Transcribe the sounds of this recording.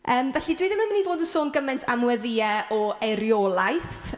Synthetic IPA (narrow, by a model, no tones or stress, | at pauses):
ʔəːmvɛɬidwiːðɪməmənivoːdənsoːnɡəmɛntʰamwɛðiːɛʔɔeɾjɔːlˠajθ